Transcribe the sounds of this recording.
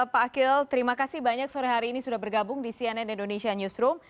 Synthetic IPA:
paːkɪlt̪əɾimakasɪhbaɲak̚soɾɛɦaɾiːnisudahbərɡabʊŋdisiɛnɛnindonesiaɲusɾʊm

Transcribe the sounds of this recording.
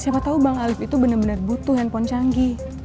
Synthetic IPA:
siapat̪aubaŋalɪfit̪ubənərbənərbut̪uɦɛnpɔnt͡ʃaŋɡi

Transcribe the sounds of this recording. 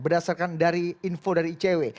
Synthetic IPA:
bərdasarkandaɾiinfodaɾiːt͡ʃewe

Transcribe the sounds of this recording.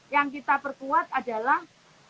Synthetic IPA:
jaŋk̬it̪apərkuat̪̚adalah

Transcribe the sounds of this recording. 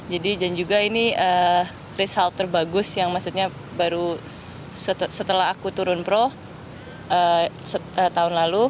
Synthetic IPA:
d͡ʒadidand͡ʒuɡainiə | risalt̪ərbaɡʊsjaŋmasut̪̚ɲa | baɾu | səsət̪əlaɦakut̪uɾʊnpɾo | ʔə | səət̪aʊnlalu

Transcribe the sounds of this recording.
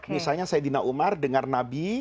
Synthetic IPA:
misalɲasajd̪inaʔumardəŋarnabi

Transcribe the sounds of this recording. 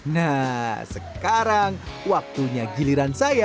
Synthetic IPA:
nasəkaɾaŋwak̚t̪uɲaɡiliɾansaja

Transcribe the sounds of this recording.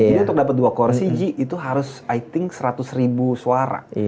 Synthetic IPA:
d͡ʒadiunt̪ʊkdapat̪̚duakɔɾsid͡ʒiʔːt̪uɦaɾʊsajt̪ɪŋsəɾat̪ʊsribusuaɾa̰

